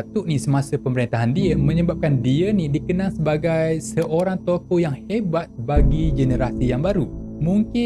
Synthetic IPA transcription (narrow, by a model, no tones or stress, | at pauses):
t̪uʔnĩsəmãsəpəməɾint̪aɦandiəmə̃ɲəbap̚kandiənĩdikənaŋsəbaɡajsəʔoɾaŋt̪okojaŋhebat̪̚baɡid͡ʒənəɾasijaŋbaɾu | mũŋkɪ